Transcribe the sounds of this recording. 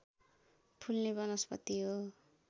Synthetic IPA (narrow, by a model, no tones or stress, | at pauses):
pʰulnebʌnʌspʌ̰t̪iɦo